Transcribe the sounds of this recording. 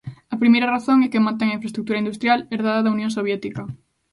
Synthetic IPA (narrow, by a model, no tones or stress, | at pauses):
ɐpɾimejɾɐraθoŋɛkemãnt̪̬eŋaĩfɾest̪ɾuk̚t̪uɾɐind̪ust̪ɾjalɛɾðaðɐðɐunjõŋsoβjɛt̪ikɐ